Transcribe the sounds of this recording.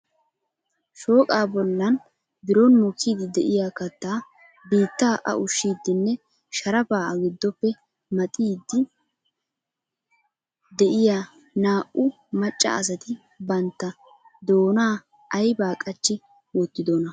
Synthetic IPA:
ʃo̞ːkʼaːbɔlːɐn | b̪ɪɾɔnmɔkːiːd̪ɪd̪ɛʔɪjaːkɐt̪ːaː | biːt̪ːaːʔɐ̰ʔʊʃːiːd̪ːɪnːɛ | ʃɐɾɐpaːɐɡɪd̪ːɔpːɛ | mɐt̪ʼiːd̪ːɪ | d̪ɛʔɪjaː | naːʔʊ | mɐt͡ʃʼːɐ̰ɐs̬ɐt̪ɪ | bɐnt̪ːɐ | d̪o̞ːnaː | ɐjbaːkʼɐt͡ʃːɪ | wɔt̪ːɪd̪oːnɐ

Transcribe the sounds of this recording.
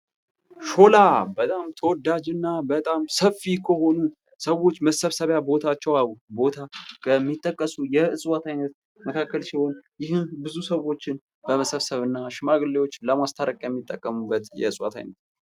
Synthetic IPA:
ʃo̞labət̪ʼamt̪ʰəwɔd̪ad͡ʒɨnːabət̪ʼamsəfːikʰəho̞nu | səwo̞t͡ʃːməsəβsəβjabo̞t̪ʰat͡ʃːɛwabo̞t̪ʰakʰəmːit̪ʼːəkʼːəsujɛɨsʼwat̪ʰajnət̪ | məkʰakːəlsiho̞njɪhɨnbɨzusəwo̞t͡ʃːɪn | bəməsəβsəβɨnːaʃɪmaɡɨlːewot͡ʃːləmast̪ʰaɾəkʼjɛmːit̪ʼːəkʼːəmubːət̪jɛ̰ɨsʼwa̰t̪ʰa̰jnət̪

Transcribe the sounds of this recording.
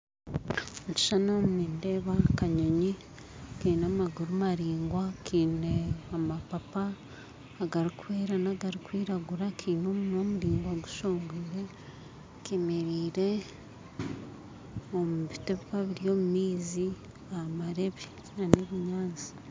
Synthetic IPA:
muci̥ʃanommiːnde̞ːβakaɲoɲi | kiːnamaɡuɾumaɾiːŋɡwakʰiːneamapapaː | ɡaɾikuweːɾanaɡaɾikwiːɾaɡuɾakʰiːno̞munoːmuɾiːŋɡwaɡu̥ʃoːŋɡuɾe̞ | kemeɾiːɾe̞ | omuβiteβpaβiɾijo̞ːmumiːzi | amaɾe̞βi | naneβuɲaːnzi̥

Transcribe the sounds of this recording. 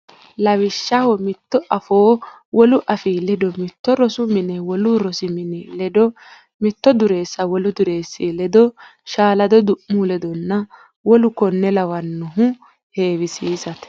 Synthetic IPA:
lɐwɪʃːɐhɔmɪt̪ːɔʔɐfoː | wɔlʊʔɐfiːlɛd̪ɔmɪt̪ːɔɾɔsʊmɪnɛwɔlʊɾɔsɪmɪnɛlɛd̪ɔ | mɪt̪ːɔd̪ʊɾeːsːɐwɔlʊd̪ʊɾe̞ːsːilɛd̪ɔʃaːlɐd̪ɔd̪ʊʔːuːlɛd̪ɔnːɐ | wɔlʊkɔnːɛlɐwɐnːʊɦʊ | heːwɪsiːsɐt̪

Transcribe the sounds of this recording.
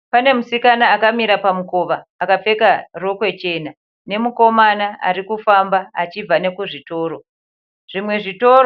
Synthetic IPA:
pane̞musikanaːkamiɾapamuko̞ʋaːkap͡fe̞karo̞kwe̞t͡ʃe̞na | ne̞muko̞manaa̰ɾikufambaat͡ʃib͡vane̞kuʐito̞ːɾo | ʐ̥imwe̞ʐito̞ɾo

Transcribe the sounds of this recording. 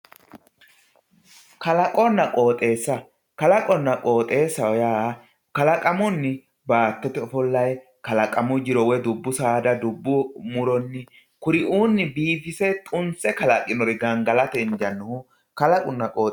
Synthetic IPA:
kɐlɐkʼɔnːɐkʼo̞ːt̪ʼe̞ːsːɐ | kɐlɐkʼɔnːɐkʼo̞ːt̪ʼe̞ːsːɐjaː | kɐlɐkʼɐmʊnːɪ | baːt̪ːɔt̪ɛɔfɔlːɐj | kɐlɐkʼɐmʊd͡ʒɪɾɔwɛd̪ʊbːʊsaːd̪ɐd̪ʊbːʊmʊɾɔnːɪ | kʊɾɪʔuːnːɪbiːfɪsɛt̪ʼʊnt͡sːɛkɐlɐkʼːɪnɔɾɪɡɐŋɡɐlɐt̪ɛɪnd͡ʒɐnːʊhʊ | kɐlɐkʼʊnːɐkʼoːt̪

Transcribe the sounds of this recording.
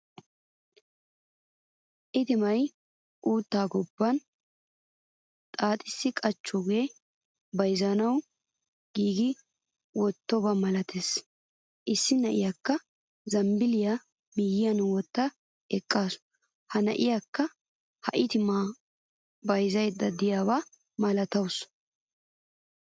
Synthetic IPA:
ʔɪt̪ɪmɐj | ʔuːt̪ːaːɡɔbːɐn | t̪ʼaːt̪ʼɪsːɪkʼɐt͡ʃːɔɡeː | bɐjzɐnɐw | ɡ̥iːɡɪ | wɔt̪ːɔbɐmɐlɐt̪ʰes | ʔɪsːɪnɐʔɪjakːɐ | zɐmbɪlɪja | mɪjɪjɐnwɔt̪ːɐ | ɛkʼːaːsʊ̥ | hɐnɐ̰ʔɪjakːɐ | hɐʔɪt̪ɪmaː | bɐjzɐjd̪ːɐd̪ɪjaːba | mɐlɐt̪ɐws

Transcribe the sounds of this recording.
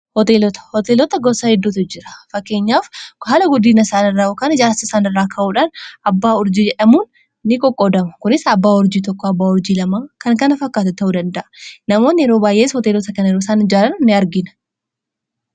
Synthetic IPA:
hɔt̪e̞ːlɔt̪ɐ̥hɔt̪eːlɔt̪ɐɡɔsahɛd̪ːuːt̪ʊd͡ʒɪɾɐ̥fɐkːe̞ːɲːaːfhaːlɐɡʊd̪iːnɐɪsaːnɪrːaːjokaːnɪd͡ʒaːɾsɪsaːnɪrːaːkʰɐʔuːᶑaːnɐbːaːɔɾd͡ʒiːd͡ʒɛᶑɐmuːnː | ɪkʼɔkʼːod̪ɐmɐkʊnɪsɐbːaːʊɾd͡ʒiːt̪̬ɔkːɔɐbːaːɔɾd͡ʒiːlɐmaːkɐŋkɐnɐfɐkːaːt̪ʊt̪ɐʔuːd̪ɐnd̪ɐʔɐ̥nɐmoːnjɛɾo̞ːbaːjʔeːshɔt̪eːlɔt̪ɐkɐnɛɾosaːnɪd͡ʒaːɾɐnnɪɐɾɡɪnɐ̥

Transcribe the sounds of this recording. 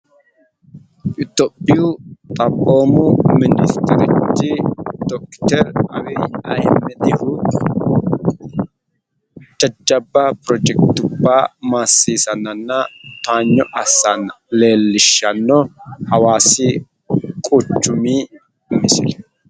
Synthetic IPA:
ʔɪt̪ːɔpʼːɪjʊt̪ʼɐboːmʊmɪnɪst̪ɛɾɪ̰t͡ʃːɪd̪̥ɔkːt̪ɛɾɐ̰wɛːɐ̰j̰mːɛd̪ɪhʊ | d͡ʒɐd͡ʒːɐbːɐpɾɔd͡ʒɛkt̪ʊbːaːmaːsːiːsɐnːɐnːɐt̪aːɲːɔʔɐsːɐnɐ | le̞ːlːɪʃːɐnːɔhɐwaːsɪ | kʼʊt͡ʃːʊmiː | mːɪsɪ̰l

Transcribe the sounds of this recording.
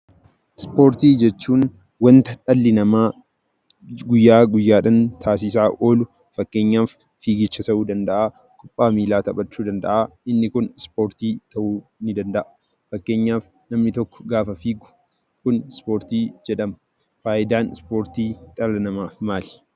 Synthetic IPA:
ʔɪspo̞ːɾt̪iːd͡ʒɛt͡ʃːuːn | wɐnt̪ɐᶑɐlːɪnɐmaː | ɡʊjːaːɡʊjːaːᶑɐnt̪ʰaːs̬ɪs̬aːʔo̞ːlʊ | fɐkːe̞ːɲːaːfː | iːɡɪt͡ʃːɐt̪ɐʔuːd̪ɐnd̪ɐʔaː | kʼʊpʼːaːmiːlaːt̪ɐpʼɐt͡ʃːuːd̪ɐnd̪ɐ̰ʔaːɪnːɪkʊnɪspo̞ːɾt̪iːt̪ɐʔuːnɪd̪ɐnd̪ɐʔɐ̥ | fɐkːe̞ːɲːaːf | nɐmnɪt̪ɔkːɔ̥ɡaːfɐfiːɡʊ̥ | kʊnspo̞ːɾt̪iːd͡ʒɛᶑɐmɐ | faːʔɪd̪aːnɪspo̞ːɾt̪iːᶑɐlɐnɐmaːfmaːlɪ̥

